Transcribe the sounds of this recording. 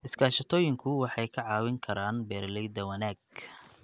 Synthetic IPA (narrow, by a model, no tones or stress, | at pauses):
ʔɪskʰaːʃɐt̪ʰɔːjɪŋkʰʊwɑħɑjkʰɐʕɑːwɪŋkʰɐɾaːnbɛːrlɛjd̪ɐwɐnaːɡ̚